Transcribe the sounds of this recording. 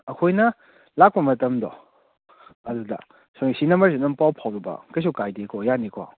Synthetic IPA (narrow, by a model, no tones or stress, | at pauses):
ɐkʰojnɐ | lak̚pɐmɐtɐmdɔ̰ | ɐdudɐ̰ | sonisinɐmɐɾs̬inɐmpawpʰawɾibɐ̰kɐjs̬ukajdekʰɔjanikʰɔ̰